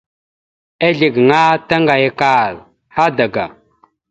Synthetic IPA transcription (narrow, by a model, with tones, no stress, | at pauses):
e˦ɮi˨ɡŋa˦ta˦ŋɡa˨ja˦ka˦˨l | ha˦da˨ɡa̰˨